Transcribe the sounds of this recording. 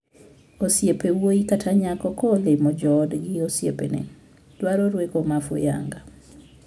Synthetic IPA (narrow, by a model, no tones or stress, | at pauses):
osjepewoikatʰaɲakɔkɔlɪmɔd͡ʒɔdɡɪosjḛpḛnɛ̰ | d̥waɾoɾwekomafʊ̰ja̰ŋɡa